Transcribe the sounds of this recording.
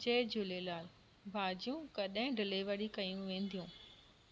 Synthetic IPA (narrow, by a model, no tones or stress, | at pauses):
d͡ʑeːd͡ʑʊlelaːl | bʱaːd͡ʑijũkɐɗɦɪ̃ɖɪleʋɐɽikɐjũʋẽːnd̪ijũː